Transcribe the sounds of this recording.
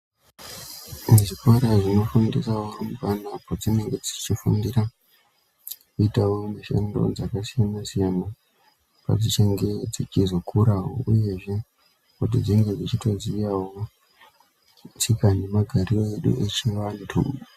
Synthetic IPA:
nʐikwaɾaʐino̞fundisaworumukanapod͡zine̞ŋɡe̞d͡zit͡ʃifundira | kuitawo̞maʃḛndo̞̰d͡zakasijanasijana | pa̰d͡zit͡ʃeŋɡe̞d͡zit͡ʃizo̞kuɾawo̰uje̞ʐe̞ | kutid͡ziŋɡe̞d͡zit͡ʃito̞zijawo | t͡sikane̞maɡʱariro̞eɗṵʔe̞t͡ʃiʋantʰṵ

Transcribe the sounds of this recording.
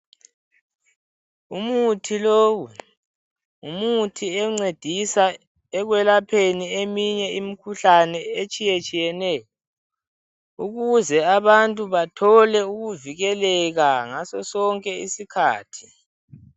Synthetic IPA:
umutʰiloːwu | umutʰiɛŋ͡ǀed̥ʱisa | ɛɣwɛlapʰeniemiɲɛimikʰuɬanɛet͡ʃʼijet͡ʃʼijɛnɛjɔ | uɣuzɛaβantʼuβatʰɔlɛuɣuviɣɛlɛɣaŋasɔsɔŋkʼɛisikʰa̰ːtʰi̥

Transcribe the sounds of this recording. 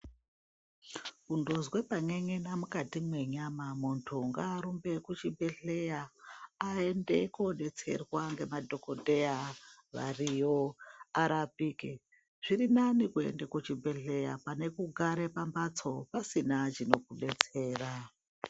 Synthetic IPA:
kundo̞zwe̞paŋeŋe̞namukatimwe̞ɲamamuntʰuŋɡaːɾumbe̞kut͡ʃibʱe̞ɮejaae̞nde̞̰kuɗe̞t͡se̞̰rwaŋɡe̞madʱo̞ko̞dʱe̞jaʋa̰rijoaɾabiki | ʐ̥irinanikue̞̰ndekut͡ʃibʱe̞ɮe̞japane̞kuɡʱaɾe̞pambat͡so̞pasinat͡ʃino̞kuɗe̞t͡se̞ːra

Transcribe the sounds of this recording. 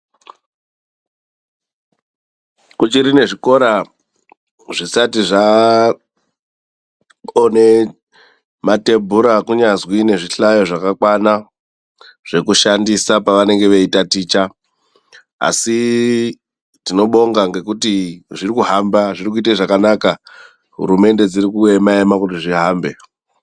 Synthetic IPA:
kut͡ʃiɾine̞ʐiko̞ɾa | ʐisatiʐa | one̞ | mate̞mbʱuɾakuɲazwine̞ʐiɬajo̞ʐakakwana | ʐ̥e̞kuʃandisapaʋane̞ŋɡe̞ʋeitatiːt͡ʃa | a̰si | tino̞ɓo̞ŋɡaŋɡe̞kutiʐirikuɦambaʐirikuiteʐakanaka | ɦṵɾume̞nde̞d͡ziɾikue̞maemakutiʐiɦaːmbe̞

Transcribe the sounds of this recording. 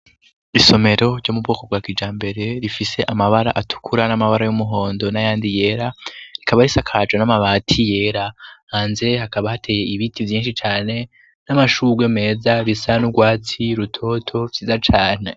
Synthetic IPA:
iso̞me̞ɾo̞ɾɟoːmubɡoːko̞b̚ɡaːkid͡ʒaːmbe̞ɾe̞ɾifise̞ʔamaβaɾa̰ʔatu̥kʰuɾanamaβaɾajumuɦo̞ːndo̞najaːndije̞ːɾaikaβaɾisakʰad͡ʒonamaβaːtʰije̞ːɾahaːnze̞hakaβahatʰe̞ːje̞iβitʰivjiːnʃit͡ʃaːne̞ | namaʃuːɡweme̞ːzaβisanuɡwaːt͡siɾutʰo̞ːtʰo̞vziːzat͡ʃaːn̥e̞

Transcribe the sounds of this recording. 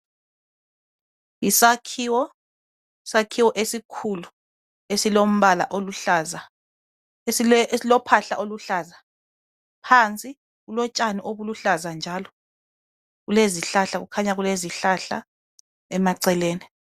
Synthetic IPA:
isakʰiwɔ | isakʰiwɔʔesikʰulu | esilom̩βala̰ʔoluaza | slɔpʰaɬaʔoluɬaːza | pʰant͡sʼi | ɣulɔt͡ʃʼaniʔoβuluɬazand͡ʒʱalɔ | ɣuleziɬaɬaɣṵkʰaɲaɣuleziɬaɬa̰ | ɛmaǀɛleːni

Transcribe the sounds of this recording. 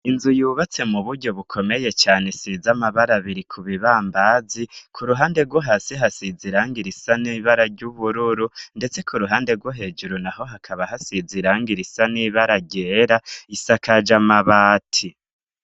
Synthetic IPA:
inzujuːβat͡se̞muβuɾɟo̞βukʰo̞me̞je̞t͡ʃaːne̞sizamaβaɾaβiɾikʰuβiβaːmbazikʰuɾuɦaːnde̞ɾɡwoɦasiɦasiziɾaːŋɡiɾisaniːβaɾaɾɟuβuɾuɾunde̞t͡se̞kʰuɾuɦaːnde̞ɾɡwoɦe̞ːd͡ʒuɾonaɦo̞ɦakʰaβaɦasiziɾaːŋɡiɾisaniːβaɾaɟe̞ːɾaisakad͡ʒamaβaːtʰi

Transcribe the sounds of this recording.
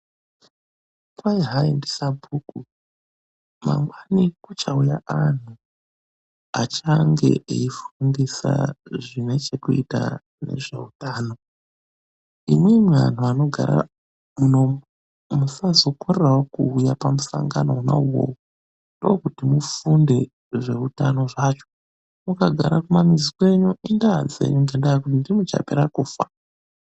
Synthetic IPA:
kwaiɦaendisabʱuːku | ma̰ŋɡwanikut͡ʃaujaʔan̤u | at͡ʃaŋɡe̞̰eifundisa̰ʐine̞t͡ʃe̞kuita | ne̞̰ʐe̞̰utaːno̞ | imwemwa̰n̤uano̞ɡʱaɾa̰ | muno̞mu | musazo̞korerawokuːjapamusaŋɡano̞una̰uwo̰wu | ndokutimufunde̞ | ʐe̞utano̞ʐat͡ʃo̞̥ | mukaɡʱaɾakumamizikwe̞ɲuindad͡zḛɲuŋɡendajakutindimut͡ʃa̰pe̞ɾakuːfa

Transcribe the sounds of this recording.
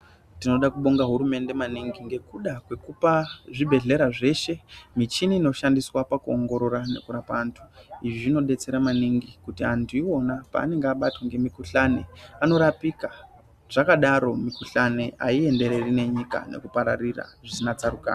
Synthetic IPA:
tino̞ɗakuɓo̞ŋɡaɦuɾume̞nde̞maniŋɡiŋɡe̞kuɗakwe̞kupaʐibʱe̞ɮe̞ɾaʐe̞ʃe̞mit͡ʃiniːno̞ʃandiswapakuoŋɡo̞ɾo̞ɾane̞̰kuɾapaːntʰu̥iʐiʐino̞ɗe̞t͡se̞ɾamaniŋɡikutiantʰuiwo̞napa̰ːne̞ŋɡeaɓatwaŋɡe̞mikuɬaneano̞ɾapika | ʐ̥akaɗaɾo̞mikuɬaneʔa̰ie̞nde̞ɾe̞rine̞ɲika̰ne̞̰kupaɾarira̰ʐisinat͡saɾuka̰ːna

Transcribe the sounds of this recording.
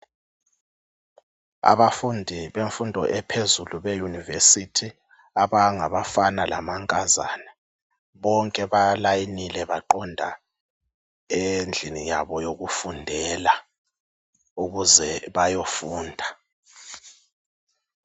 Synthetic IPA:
a̰βafundʱiβeɱfundʱɔʔɛpʰezuluβejunivesitʰi | aβaŋaβafanala̰maŋkʼaza̰nɛ | βɔŋkʼɛβalajinilɛβaǃɔndʱa | end͡ɮʱinijaβɔjoɣufundʱɛːla | uɣuzɛβajofuːndʱa

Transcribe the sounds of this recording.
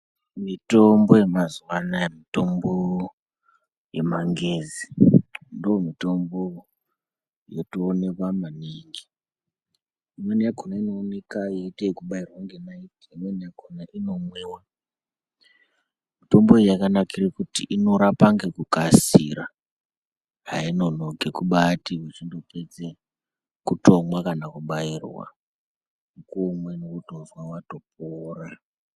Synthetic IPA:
mito̞mbo̞je̞mazwanajemito̞mbo | je̞maŋɡezindoomito̞mbo | jotoːne̞kwamaniːŋɡi | imwenijakonainoːne̞kajetekuɓairwaŋɡenaitimwenijakʰonaʔino̞mweːwa | mito̞mboejakanakirekutiʔino̞ɾapaŋɡe̞kukasiɾa | ɦaino̞no̞ɡʱe̞kuɓatiwet͡ʃindo̞pe̞d͡ze | kuto̞mwakanakuɓairwa̰ | ukomwenokutonzwawato̞p̚oːra

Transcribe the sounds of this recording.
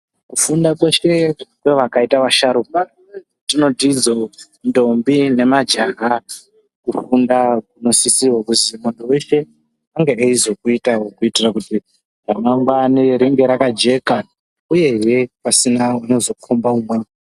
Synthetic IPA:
kufundakwe̞ʃe̞kwe̞ʋakaitaʋaʃaɾoka | tino̞tid͡zo̞ | ndo̞mbine̞mad͡ʒaɦa | kufundakuno̞sisiwokuzimondo̞we̞ʃe̞ | aŋɡeeizo̞kuitawokuitirakuti | ramaŋɡwaniɾiŋɡe̞ɾakad͡ʒe̞ka | uje̞je̞pasinauno̞zo̞kʰombaumwaːŋa

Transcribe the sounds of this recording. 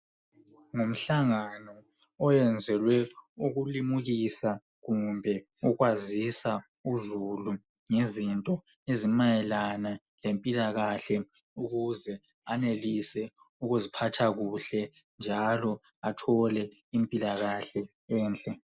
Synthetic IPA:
ŋum̩ɬaŋanɔ | ɔjɛnd͡zʱɛlwɛuɣulimuɣisa | ɣumbʱɛ | uɣwazisa | uzulu | ŋezintʼɔ | ezimajɛlana | lempʼilaɣaɬɛ | uɣuzɛ | anelisɛ | uɣuzipʰatʰaɣuɬɛnd͡ʒʱalɔ | atʰɔlɛ | impʼilaɣaɬɛ | ɛːnt͡ɬʼɛ

